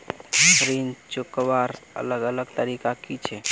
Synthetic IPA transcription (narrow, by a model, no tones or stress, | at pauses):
kɾint͡ʃukəʋaɾə̰ləɡələɡt̪əɾikakit͡ʃʰɛ